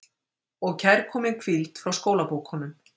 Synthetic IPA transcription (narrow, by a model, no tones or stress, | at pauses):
ɔɣcʰajɾkʰɔːmɪŋkʰvilt̪fɾawskoːwlapowkhɔnːʏm